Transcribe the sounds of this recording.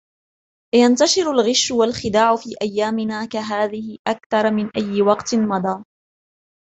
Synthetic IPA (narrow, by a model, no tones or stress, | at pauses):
jant̪aʃɪɾʊlɣɪʃːʊwalxɪd̪aːʕʊfiːʔajːaːmɪnaːkaɦaːðɪhɪʔakθɑɾˤmɪnʔajːɪwɑqt̪mɑd̪ˤɑː